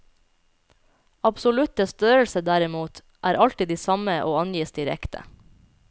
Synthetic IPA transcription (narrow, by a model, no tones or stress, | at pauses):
ɑbsʊlʉt̪əst̪øːɾəl̩səd̪æɾɪmuːt̪ | ʔæːɾʔɑlt̪ɪd̪iːsɑməʔo̰ːɑnjiːsd̪ɪɾɛ̰kt̪ʰə̰